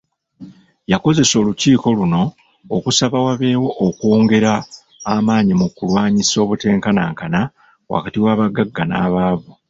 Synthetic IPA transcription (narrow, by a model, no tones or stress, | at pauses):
jako̞ze̞so̞ːluciːko̞luno̞ː | kusaβawaβe̞ːwo̞ʔokoːŋɡe̞ɾaː | maːɲimukulwaːɲiso̞ːβute̞ːŋkanaŋkana | wa̰katiwaːβaɡaɡːana̰ːβaːβu